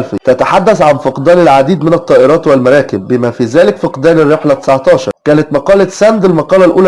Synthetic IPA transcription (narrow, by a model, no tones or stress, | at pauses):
lfit̪æt̪aħad̪ːæsʕanfɪqd̪ɑːlɪlʕad̪iːd̪mɪnæt̪ˤːɑːʔɪɾˤɑːt̪wɪlmɑɾˤɑːkɪbːɪmæfiːzæːlɪkfɑqd̪æːlɪrːeħlæt̪ɪ̥saʕt̪ˤɑːʃɑ̰ɾˤkæːnæt̪mɑqɑːlæsænd̪ɪlmɑqɑːlælʔuːlæ